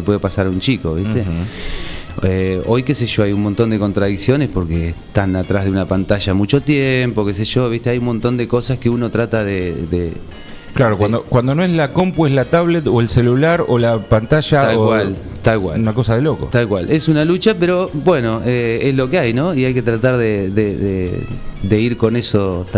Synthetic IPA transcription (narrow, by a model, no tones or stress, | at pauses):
epwe̞ðepasaɾaunt͡ʃiko̞βist̪e | eo̞jke̞seʒo̞ajunmõnt̪o̞nd̪eko̞nt̪ɾaðiksjo̞ne̞spo̞ɾket̪anat̪ɾazðeunapant̪aʒamut͡ʃo̞t̪jempoke̞s̬eʒo̞βiht̪eajunmont̪o̞nd̪eko̞saskeuno̞t̪ɾat̪aðeðḛ | klaɾokwand̪okwand̪onoeslakompweslat̪aβlet̪oelselulaɾolapant̪aʃat̪alkwall | t̪alkwa̰lunakosaðeloko̰t̪alkwalʔesunalut͡ʃapeɾo̞bweno̞eezlo̞keajno̞iajke̞t̪ɾat̪aɾðeðeðḛd̪e̞iɾkone̞so